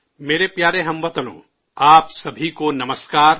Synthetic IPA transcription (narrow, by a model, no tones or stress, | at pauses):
meːɾepjaːɾẽɦɐ̃mʋɐt̪əlõ̰ː | aːpsɐbʱikonɐməskaːɾ